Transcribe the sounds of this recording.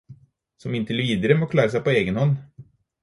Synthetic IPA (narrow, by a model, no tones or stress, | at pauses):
sɔmɪnt̪əlviːd̪əɾəmɔkʰlɑːɾs̬ɛjpɔeːɡənhɔnː